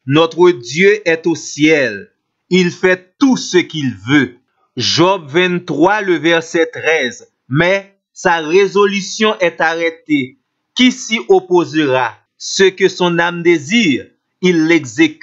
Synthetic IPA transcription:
nɔt̪ʁəd̪jøʔɛt̪osjɛl | ilfɛt̪usəkilvø | ʒɔbvɛ̃nt̪ʁwaløvɛʁsɛt̪ʁɛz | mɛ | saʁezolysjɔ̃ʔɛt̪aʁɛt̪e | kisiʔopozəʁa | səkøsɔ̃namd̪eziʁ | ilːɛɡzek

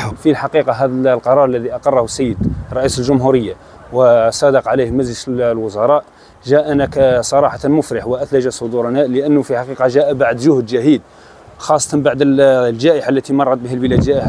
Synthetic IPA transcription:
filħɑqiqɑɦæd̪əlqɑɾˤɑɾˤəlːæðiʔɑqɑrˤːɑhʊsːəjːəd̪rˤːɑʔisəlʒʊmɦuɾəjːa | wəsˤɑd̪ɑqʕalihmæzləʃlwʊzɑɾˤɑʔ | ʒæʔænæksˤɑɾˤɑħɑt̪mʊfɾəħwəʔæt̪læʒasˤod̪uɾnæʔləʔənːfiħɑqiqɑʒæʔæbaʕd̪ʒʊhd̪ʒæhid̪ | xɑsˤːɑt̪ɑnbaʕd̪əlʒæʔəħalːæt̪imɑrˤːɑt̪̚bihælbəlæd̪ʒæʔɪħa

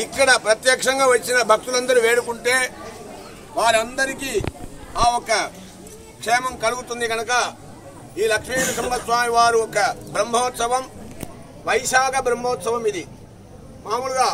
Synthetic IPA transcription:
ikːɐɽɐpɾɐt̪jɐːkʂɐŋɡaːʋɐt͡ʃːinɐbʱɐk̚t̪ulɐnd̪ɐɾiʋeːɽukuɳʈeː | ʋaːɾɐnd̪ɐɾikiːaːɔkɐ | kʂɛːmɐmkɐluɡut̪und̪iɡɐnɐkɐ | iːlɐkʂmiːnɐsɐmbɐsʋaːmiʋaːɾuɔkɐbɾɐmːɐːɐt̪sɐʋɐm | ʋɐjsaːɡɐbɾɐmbɔːt̪sɐʋɐmid̪i | maːmuluɡaː

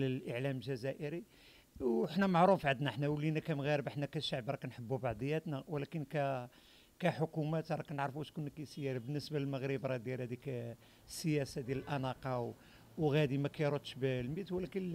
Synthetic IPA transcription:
ləlʔəʕlæmlʒæzæʔəɾi | wəħnæmaʕɾufʕad̪næħnæwəlːinækæmɣæɾəbəħnækæʃaʕbɾˤɑknħəbːubɑʕd̪ˤəjːæt̪næwlækənkæ | kæħʊkumæt̪ɾˤɑknəʕɾfuʔæʃkʊnːəkæjsəjːæɾabənːəsbællməɣɾəbɾˤɑd̪jælhæd̪ik | sːəjæsad̪jæləlʔɑnɑqɑw | wɣæd̪imækæjɾˤot̪ːʃbəlmit̪wlækən

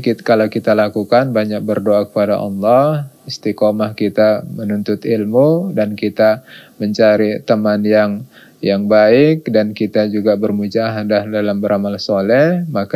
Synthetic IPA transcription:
kikalakit̪alakukanbaɲak̚bərdoakə̥pada̰ʔɑ̰lːɔhist̪ikomahkit̪amənunt̪ʊt̪ilmudankit̪aməɲt͡ʃaɾit̪əmanjaŋ | jaŋbaɪk̚dankit̪ad͡ʒuɡabərmud͡ʒaɦadahdalambəɾʔamalsolɛhmak

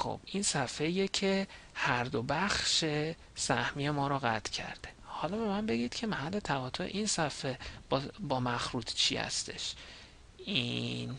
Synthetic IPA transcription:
xo̰b̥ʔinsæfejecʰe | hæɾd̪o̞bæxʃe̞ | sæhmije̞mɒːɾɔːɣæt̪ʰcʰæ̰ɾd̪̥e̞hɒlɒːbe̞mænbe̞ɡiːd̪̥cʰe̞mæhælːe̞t̪ʰæɣɒːt̪ʰoḛʔinsæfe̞bbɒːmæxɾuːd̪t͡ʃʰḭhæ̰st̪e̞̰ʃ | in

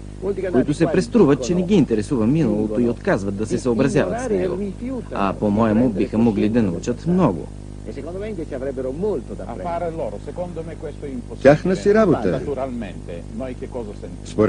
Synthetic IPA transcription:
kt̪kkʊit̪ʊsɛpɾɛst̪ɾuvət̪̚t͡ʃɛnɛɡ̟iːnt̪ɛɾɛsuvɐminɐlˠot̪oiot̪kazvɐt̪̚d̪ɐsɛsɐobɾɐzjavɐt̪nɛɡo̰fuɐ̰pomɔɛmʊbixəmoɡlid̪ɐnɐut͡ʃət̪mnɔɡʊ̰ | od̪ɛet͡ʃavɾɛbːeɾomolt̪od̪apaɾlɔɾosɛkond̪omɛkwɛst̪oɛimp̪ːʲjaxnɐsiɾaboət̪uɾalment̪e | nojkekːɔzasɛnzboɾ

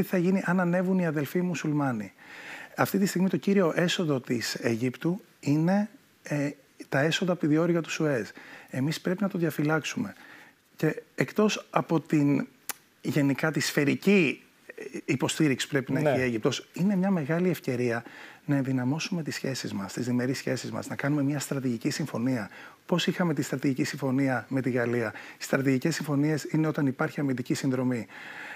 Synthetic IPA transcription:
iθɐʝiniʔɐnɐne̞vuniɐðe̞lfimusulmɐniɐft̪it̪ist̪iɣmit̪o̞ciɾio̞ʔe̞so̞ðo̞t̪iseʝipt̪u | ine̞ | t̪ɐe̞so̞ðɐpiðio̞ɾiɣɐt̪u̥sue̞se̞mispɾe̞pinɐt̪oðʝɐfilɐksume̞ | ce̞ːkt̪o̞sɐpo̞t̪in | ʝe̞nikɐt̪isfe̞ɾici | po̞st̪iɾiksi̥pɾe̞pinɐeçie̞ʝip̚t̪o̞sine̞mɲɐme̞ɣɐliefce̞ɾiɐnɐenðinɐmo̞sume̞t̪isçe̞sizmɐst̪izðime̞ɾisçe̞sizmɐ̰znɐkɐnume̞mɲɐst̪ɾɐt̪iʝicisiɱfo̞niɐpo̞sixɐme̞t̪ist̪ɾɐt̪iʝicisiɱfo̞niɐme̞t̪iɣɐliɐi̥st̪ɾɐt̪iʝice̞sːiɱfo̞nie̞sineo̞t̪ɐnipɐɾçiɐmind̪icisinðɾo̞mi

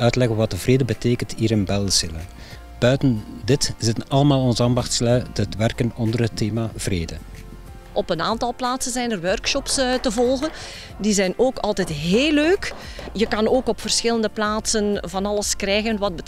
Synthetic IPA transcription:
œɥtlɛɣənʋɑt̚əvreːdəbəteːkəntiːɾənbɛlˠz̥ɪlə | b̥œɥtəndɪtz̥ɪtənɑləmaːlˠɔnzəɑːndɑxtslœɥtətʋɛrkənɔndərɦətːeːmav̥reːdə | ʔɔpənaːntɑlˠplaːtsənzɛjnərwœrkʃɔpstəvɔlˠɣən | dizɛjnoːkɑlˠtɛtɦeːlːøːkjəkɑnoːkɔpfərsxɪləndəplaːtsənvɑnɑləskrɛjɣənʋɑd̚bət

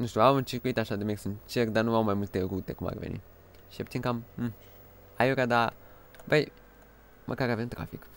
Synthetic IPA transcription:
nuʃt̪juawɨnt͡ʃiɾkuit̪aʃad̪emeksɨnt͡ʃerd̪anuawmajmult̪eɾut̪ekuma̰revḛnḭ | ʃiapt̪iŋkam̩ | ajoɾad̪a | bəj | mʔəkaɾavemt̪ɾa̰fik

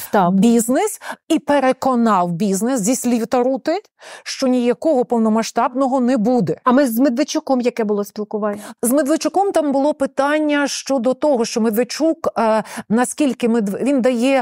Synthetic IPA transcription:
t̪ɑbʲiznɪsipeɾekɔnɑwbʲiznɪszʲisʲlʲiwt̪ɐɾut̪ɪ | ʃt͡ʃɔnʲijɐkɔɦɔpɔwnɔmɐʃt̪ɑbnɔɦɔnɛbud̪ɛɐmɪzmed̪ʋɪt͡ʃʊkɔmjɐkɛbʊlˠɔsʲpʲilˠkʊʋɑnʲzmed̪ʋɪt͡ʃʊkɔmt̪ɑmbʊlˠɔpɪt̪ɑnʲːɐʃt͡ʃɔd̪ɔt̪ɔɦɔʃt͡ʃɔmed̪ʋet͡ʃukːnɐskʲilʲkɪmed̪ʋʋʲind̪ɐjɛ

